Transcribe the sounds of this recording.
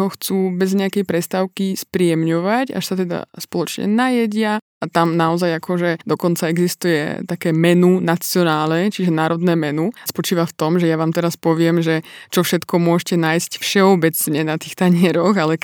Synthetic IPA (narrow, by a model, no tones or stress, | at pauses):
ɦɔxt͡suːbɛzɲɛakɛjpɾɛst̪aːʊkispɾiɛmɲɔʋaca̰ʃsat̪ɛd̪a̰spɔlɔt͡ʃɲɛ̰najɛɟɪaʔat̪amnaɔzajakʰɔʒɛd̪ɔkɔnt͡saɛɡzist̪ujɛ̰t̪akɛːmɛnunat͡siɔnaːlɛt͡ʃiʒɛnaːɾɔd̪nɛːmɛnuspɔt͡ʃiːʋaft̪ɔmʒɛjaʋaːmt̪ɛɾaspɔʋɪɛmʒɛt͡ʃɔfʃɛt̪kɔmʊɔʒcɛnaːjscfʃɛɔbɛt͡sɲɛnat̪iːxt̪aɲɪɛɾɔɣalɛ